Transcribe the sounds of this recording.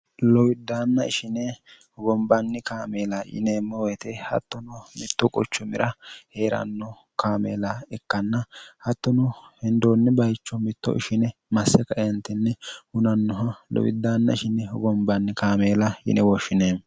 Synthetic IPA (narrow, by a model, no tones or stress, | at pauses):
lɔwɪd̪ːaːnːɐɪʃɪnɛhɔɡɔmbɐnːɪkaːmeːlɐjɪ̰neːmːɔwɛt̪ɛhɐ̰t̪ːɔnɔmɪt̪ːɔkʼɔt͡ʃːɔmɪɾʔɐhe̞ːɾɐ̰nːɔ | kaːmḛːlɐɛkːɐnːɐhɐt̪ːɔnɔhɛnd̪oːnːɛbɐjt͡ʃːɔmɪt̪ːɔ̰ʔɪʃɪnɛmɐsːɛkɐʔɛnt̪ːɛnːɛhʊnɐnːɔɦɐlɔ̰wɪ̰d̪ːaːnːɐ̰ɪʃɪnɛhɔɡɔmbɐnːɪkaːmeːlɐjɪ̰nɛwɔʃːɪneːm